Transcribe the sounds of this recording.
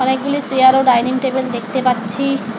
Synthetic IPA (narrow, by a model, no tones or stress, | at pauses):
ɔnek̚ɡulisiaɾoɖajniŋʈebeld̪ek̚ʰt̪epatːɕʰi